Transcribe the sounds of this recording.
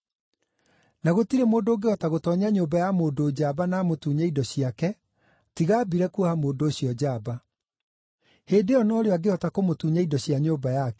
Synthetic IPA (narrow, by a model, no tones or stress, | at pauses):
naɣotiɾemoːndoɡeɔtaɣotɔɲaɲoːbajamoːndoːd͡ʑabanamotuːɲaidɔɕiakɛ | tiɣaːbiɾɛkuhamoːndoːɕiɔd͡ʑaba | heːndeɔnɔɔɾeaɡeɔtakomotuɲaidɔɕiaɲoːbajakɛ